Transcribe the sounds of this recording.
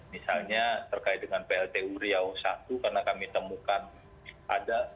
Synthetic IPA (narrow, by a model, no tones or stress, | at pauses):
misalɲat̪ərkaɪt̪̚dəŋanpeɛlt̪euɾiawsat̪ukarnakamit̪əmukan | ʔa̰da